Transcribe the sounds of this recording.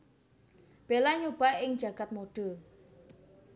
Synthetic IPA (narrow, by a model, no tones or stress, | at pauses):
b̥elaɲob̥aɪŋ̥d͡ʒa̤ɡ̥at̪̚moɖ̥ə̤